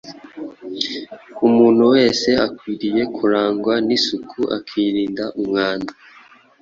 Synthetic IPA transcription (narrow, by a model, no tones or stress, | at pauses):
umuːn̥huwe̞ːse̞akwiːɾije̞kʰuɾaːŋɡwanisukʰuʔa̰kʰiːɾiːndaʔumŋaːnda